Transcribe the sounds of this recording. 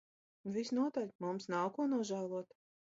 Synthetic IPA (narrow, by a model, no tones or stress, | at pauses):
nvisnuɔt̪alʲmumsnawkuɔnuɔʒæːlˠuɔt̪